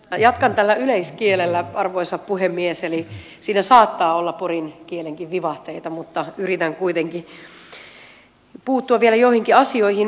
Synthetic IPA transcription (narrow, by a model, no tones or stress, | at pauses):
jɑt̪kɑnt̪ælːæyleiskielelːæɑrʋoisɑppuhemːieseli | siːnæsɑːt̪ːɑːolːɑporinkieleŋkiʋʋiʋɑht̪eit̪ɑmut̪ːɑyrit̪æŋkuit̪eŋki | puːt̪ːuɑʋʋielæjoihiŋkiɑsioihin